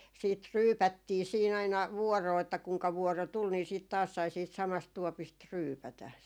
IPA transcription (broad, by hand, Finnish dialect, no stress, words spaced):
siːt ryːpætːiː siːn ɑinɑ ʋuɔroː etːæ kuŋkɑ ʋuɔro tul ni siːt sɑi tɑːs siːt sɑmɑst tuɔpist ryːpætæ